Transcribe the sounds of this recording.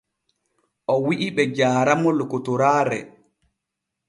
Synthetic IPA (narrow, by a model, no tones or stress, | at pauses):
ʔɔwiʔiɓɛd͡ʒaːɾamɔlkotɔɾaːɾɛ̰